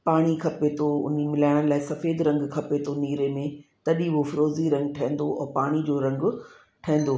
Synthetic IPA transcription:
paːɽ̃ikʰɐpet̪ʰoʊ̰nimɪlaːɪɽ̃ə̃laːɪsɐfeːd̪ɾɐ̃ŋɡkʰɐpet̪ʰoniːɾemẽt̪ɐɗiɦofɪɾoːziɾɐ̃ŋɡʈʰɐẽn̆d̪oʔɛːpaːɽ̃id͡ʑoːɾɐ̃ŋɡ | ʈʰɐ̃ɛ̃n̆d̪oː

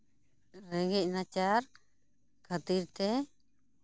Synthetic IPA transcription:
ɾɛɡɛc̚nat͡ʃaɾ | kʰat̪iɾt̪ɛ

